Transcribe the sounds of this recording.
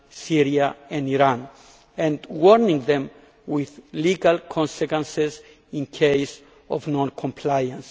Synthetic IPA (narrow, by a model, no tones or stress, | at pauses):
siɾiaɛ̃niɾãn | ɛ̃ndwɔɾnĩŋðẽm | wiðliɡalkʰɔ̃nsekwɛ̃nsez | ĩnkʰejs | o̰vnɔ̃nkʰõmpʰlajãns